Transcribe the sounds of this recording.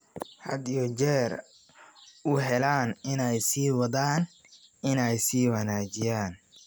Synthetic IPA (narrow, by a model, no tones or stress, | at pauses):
ħɑ̰d̪jɔd͡ʒɛːr | ʊɦɛlaːnɪnɛjsiːwɑðaːn | ɪnɛjsiːwɐnaːd͡ʒɪjaːn